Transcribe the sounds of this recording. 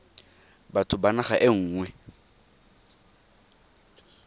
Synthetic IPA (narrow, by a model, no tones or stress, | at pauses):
batʰʊbanaχaʔɪŋ̩ːŋwɛ